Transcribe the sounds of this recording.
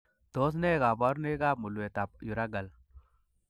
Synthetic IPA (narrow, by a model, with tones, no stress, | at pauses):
to˦s̬ne˦˨ɡa˨bɔ˦ɾne˦ɡa˦mu˨lwe˨ta˨p̚ju˨ɾa˦ɡa˨l